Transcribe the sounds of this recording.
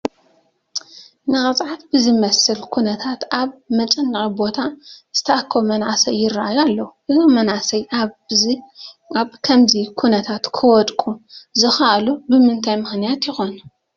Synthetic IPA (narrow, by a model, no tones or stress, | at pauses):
nɨkʼɐt͡sʼʕat̪bɨzɨmɐsɨlkʰunɐt̪ʰat̪ʔaβmɐt͡ʃʼɐnːɨxʼibo̞t̪ʰaz̥ɨt̪ʰɐʔakʰːomɐnʕasɐjːɪraʔajalːɐwuʔɨzomɐnʕasɐja | aβkʰɐmzikʰunɐt̪ʰat̪kʰɨwɔt̪ʼkʼuzɨxɐʔlubɨmɨnt̪ʰajmɨxnijat̪jɪxon